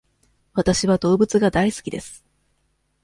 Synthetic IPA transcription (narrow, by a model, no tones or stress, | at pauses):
βat̪aɕiβad̪o̞ːbɯ̟t͡sɨɡad̪aisɨ̥kʲid̪e̞sɨ̥